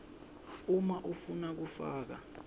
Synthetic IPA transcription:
umaʔufunak̬ufa̰ːk̬a̰

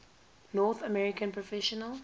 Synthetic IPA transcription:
nɔːθəmɛɹɪkə̃npʰɹɔfɛʃɔnəl

